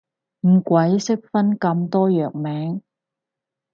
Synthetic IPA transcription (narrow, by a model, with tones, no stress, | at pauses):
m̩˨˩kʷɐ˨˥jsɪ˥k̚fɐ˥nkɐ˧mt̪ɔː˥jœː˨k̚mɛː˨˥ŋ